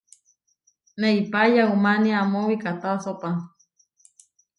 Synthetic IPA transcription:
neipajaumaniamowikat̪asopa

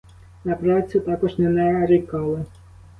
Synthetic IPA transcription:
nɐpɾɑt͡sʲʊt̪ɑkɔʐnɛnɛɾikɑlˠɪ

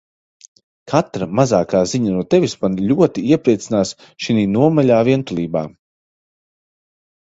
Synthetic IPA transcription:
kʰat̪ɾamazaːkaːziɲanuɔt̪ɛvʲismanlʲuɔt̪iiɛpɾiɛt̪sinaːs | ʃiniːnuɔmaʎʲaːviɛnt̪ulˠiːba̰ː

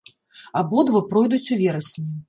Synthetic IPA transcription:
abɔd̪vɐpɾɔjd̪ut͡sʲuvʲɛɾɐsnʲɨ

